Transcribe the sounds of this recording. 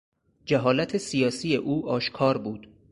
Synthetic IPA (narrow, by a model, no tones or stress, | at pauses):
d͡ʒæɦɒːlæt̪ʰesijɒːsije̞ʔuːʔɒːʃkʰɒːɾbuːd̪̥